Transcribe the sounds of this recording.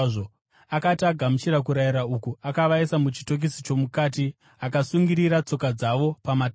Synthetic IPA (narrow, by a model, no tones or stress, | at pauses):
ʐo | akatiaɡʱamut͡ʃiɾak̬uɾaiɾaukuakaʋaisamut͡ʃi̥to̞k̬isit͡ʃo̞mukaːti | akasuŋɡiɾiɾat͡so̞kad͡zaʋo̞pamat